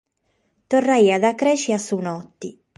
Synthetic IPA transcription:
t̪ɔrːaiːaðakːɾɛːt͡ʃiasunɔt̪ːi

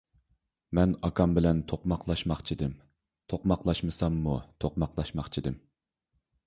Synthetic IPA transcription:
mɛnɑkʰɑmbɪlɛnt̪ʰoqmɑqʰlˠɑʃmɑχt͡ʃʰid̪ɪm | t̪ʰoqmɑqlˠɑʃmɨsɑmːut̪ʰoqmɑqlˠɑʃmɑχt͡ʃʰid̪ɪm

